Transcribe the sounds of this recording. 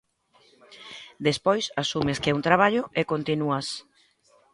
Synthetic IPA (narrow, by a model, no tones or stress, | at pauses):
d̪espojsasumeskɛunt̪ɾaβ̞aʎʊekont̪inuas